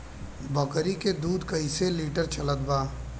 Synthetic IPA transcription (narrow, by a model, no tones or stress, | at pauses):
bəkɾiked̪uːd̪kəɪseliːʈəɾt͡ʃələt̪baː